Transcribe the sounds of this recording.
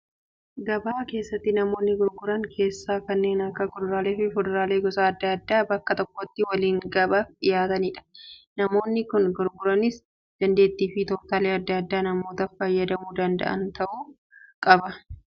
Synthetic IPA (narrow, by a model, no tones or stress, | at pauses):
ɡɐbaːke̞ːsːɐt̪ːɪnɐmo̞ːnːɪɡʊɾɡʊɾɐŋkʰe̞ːsːaːkɐnːe̞ːnɐkːɐkʊd̪ɐɾaːle̞ːfɪfʊd̪ɐɾaːleːɡɔsaːɐd̪ːɐːd̪ːaːbɐkːɐt̪ɔkːɔt̪ːɪwɐliːŋɡɐbaːfᶑɪjaːt̪ɐniːᶑɐ̥nɐmo̞ːnːɪkʊnɡʊɾɡʊɾɐnɪs | d̪̥ɐnd̪e̞ːt̪ːiːfɪt̪ɔːt̪aːleːɐd̪ːɐɐd̪ːaːnɐmo̞ːt̪ɐfɐjːɐd̪ɐmuːd̪ɐnd̪ɐ̰ʔɐ̰nt̪ɐʔuː | kʼɐbɐ